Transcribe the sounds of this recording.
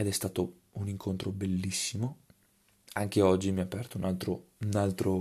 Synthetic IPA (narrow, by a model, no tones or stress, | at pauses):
ed̪ɛst̪aːt̪o | uniŋkʰont̪ɾobelːisːimo | aŋk̟eɔd͡ʒːimiapːɛrt̪ounalt̪ɾo | unalt̪ɾo